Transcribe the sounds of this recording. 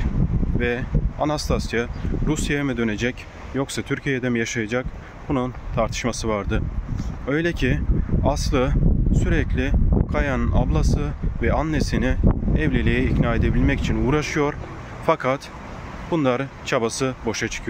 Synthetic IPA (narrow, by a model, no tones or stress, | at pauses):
vɛanast̪ʰasjaɾusjajamid̪ø̞ne̞d͡ʒɛc | jo̞ksat̪ʰyɾcʰijɛd̪ɛmjaʃajad͡ʒak | bununt̪ʰaɾt̪ʰɯ̥ʃmasɯvaɾd̪ɯø̞jlʲɛcʰiaslˠɯsyɾɛclʲikʰajanɯna̰blˠasɯvɛanːesiniɛvlʲelʲejɛicnaːe̞d̪e̞bilʲmɛci̥t͡ʃʰinuːɾaʃɯjo̞ɾ | fakʰat̪ | bunlˠaɾɯ | t͡ʃʰabasɯbo̞ʃat͡ʃʰɯ̥kʰɯjo